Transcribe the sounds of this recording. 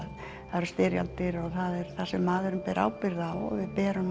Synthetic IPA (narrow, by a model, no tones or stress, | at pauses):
ð | θaɾʏst̪ɪːɾja̰lt̪ɪɾɔɣθaðɛɾ̥θasɛmːaːðʏɾʏmpɛːɾʔa̰ːwpɪɾðawɔ̰ɣvɪðpɛːɾʏm